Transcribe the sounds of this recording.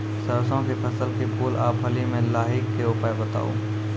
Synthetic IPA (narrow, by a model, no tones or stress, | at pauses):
sɐɾsõkepʰɐsəlkepʰuːlʔaːpɦɐlimẽlaːɦɪkːeʊpaebɐt̪a̰ːo̰ː